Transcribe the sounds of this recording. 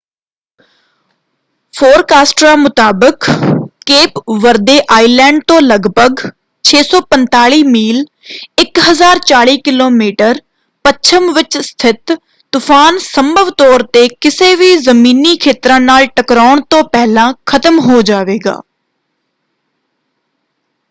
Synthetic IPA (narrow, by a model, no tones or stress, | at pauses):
pʰoːɾkaːsʈɾaːmʊt̪aːbəkː | eːpʋəɾd̪eːʔaːiːlɛ̃ːɳɖ̚t̪õːləɡbʱəɡ | t͡ʃʰeːsɔːpənt̪aːɭiːmiːl | ɪkɦəzaːɾt͡ʃaːɭiːkɪloːmiːʈəɾ | pəʃʰəmʋɪt͡ʃst̪ʰɪt̪ː | ʊfʰaːnsəmbʱəʋt̪ɔːɾt̪eːkɪseːʋiːzəmiːniːkʰeːt̪ɾãːnaːlʈəkɾaːɳt̪õːpɛːlãːkʰət̪əmɦoːd͡ʒaːʋeːɡa̰ː